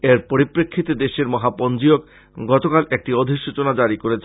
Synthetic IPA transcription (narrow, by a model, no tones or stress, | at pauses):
eɾpoɾipɾekʰːit̪ed̪eʃeɾmɔɦapɔnd͡ʑiok | ɡɔt̪okalʔek̚ʈiod̪ʱiʃut͡ɕonad͡ʑaɾikoɾet͡ɕʰ